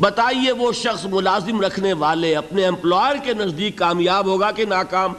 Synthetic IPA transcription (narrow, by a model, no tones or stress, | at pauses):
bɐt̪aːieʋoʃɐxsmʊlaːzɪmɾɐkʰneʋaːleɐpneɛ̃mplɔːjəɾkenɐzd̪iːkːaːmjaːbɦoːɡakenaːkaːm